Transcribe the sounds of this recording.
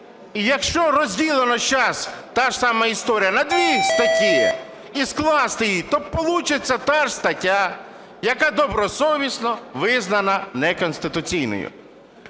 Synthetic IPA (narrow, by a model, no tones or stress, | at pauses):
ijɐkʃt͡ʃɔɾɔzʲdʲilˠenɔʃt͡ʃast̪ɑʒsɑmɐist̪ɔɾʲijɐnɐd̪ʲʋʲist̪ɐtʲi | isklˠɑst̪ɪjit̪ɔpɔlˠut͡ʃɪt͡sʲːɐt̪aʒst̪ɐtʲa | jɐkad̪ɔbɾɔsɔʋʲisnɔʋɪznɐnɐnɛkɔnʲst̪ɪt̪ʊt͡sʲijnɔ̰jʊ̰